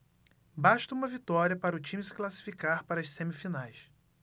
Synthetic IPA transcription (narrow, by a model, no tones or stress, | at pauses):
baʃt̪ɐũmɐvit̪ɔɾiɐpaɾɐʊt͡ʃĩmɪsɪ̥klasi̥fikaɾpaɾɐʃsẽmifinajs